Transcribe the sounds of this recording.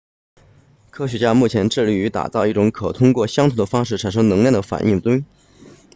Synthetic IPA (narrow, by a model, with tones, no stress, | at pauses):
kʰɤ˥ɕɥɛ˧˥t͡ɕja˥mu˥˩t͡ɕʰjɛ˧˥nʈ͡ʂɻ̩˥˧li˥˩y˧˥t̪a̰˨˩t͡sɑ˥˧ʊi˥˩ʈ͡ʂʊ˧˥ŋkʰɤ˨˩t̪ʰʊ˥ŋkwɔ˥˩ɕjɑ˥ŋt̪ʰu˧˥d̪ə˧fɑ˥ŋʂɻ̩˥˩ʈ͡ʂʰa˨˩nʂɤ˥ŋnɤ˧˥ŋljɛ˥˩nd̪ə˩fa̰˨˩nʔi˥˩ŋt͡swe˥ŋ